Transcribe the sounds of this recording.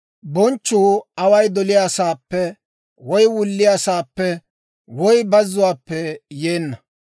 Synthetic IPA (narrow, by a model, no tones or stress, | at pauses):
bɔnt͡ʃːuːɐwɐjd̪ɔlɪjaːsaːpːɛ | wɔjwʊlːɪjasaːpːɛ | wɔjbɐzːʊwaːpːɛjeːnːɐ